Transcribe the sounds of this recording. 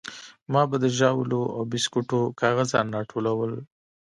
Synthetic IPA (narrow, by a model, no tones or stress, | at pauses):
mɑbad̪əʒɑwloawbɪskuʈokʰɑɣazɑ̰nɾɑʈʰolawəl